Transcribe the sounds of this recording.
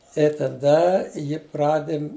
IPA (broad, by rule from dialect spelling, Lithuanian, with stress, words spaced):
ɪ tɐˈdɐ ˈjɪ ˈprɑːdʲɪmʲ